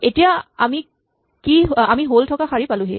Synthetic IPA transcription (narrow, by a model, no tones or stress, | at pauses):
etijaa̰mi | kiɦamiɦoltʰɔkaxaɹipalʊ̃ɦe